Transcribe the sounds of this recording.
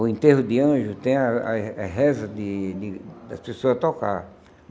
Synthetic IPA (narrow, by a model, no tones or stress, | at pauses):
ʊẽnt̪eɦʊd̪ɪɐ̃ʒʊt̪ẽj̃ɐa̰ɐɦɛzɐd̪ɪd̪ɪd̪ɐspesoɐzɐt̪oka̰ɾ